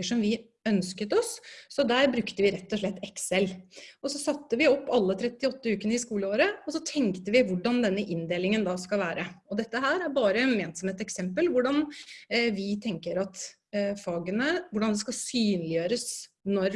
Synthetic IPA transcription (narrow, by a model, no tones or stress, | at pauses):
əʂɔmʋɪ | œnskət̪ɔsːɔd̪æːɾbɾʉkt̪əʋɪɾɛt̪ːɔʂɭɛt̪ːɛksɛlɔsɔsɑt̪ːəʋɪɔpːɑlːət̪ʰɾɛt̪ːɪɔt̪ːəʉːkənəɪskuːləoːɾəɔsɔt̪ʰɛŋkt̪əʋɪʋʊɖɑnd̪ɛnːəʔɪnd̪eːlɪŋənd̪ɑːskɑlʋæːɾəɔd̪ɛt̪ːəɦæːɾæɾbɑːɾənmeːnt̪sɔmheːt̪ɛksɛmpəlʋʊɖɑn | ʋɪt̪ʰɛŋkəɾɑt̪ | fɑːɡənəʋʊɖɑnd̪ɛskɑlsyːnlɪjøːɾəs | nɔɾ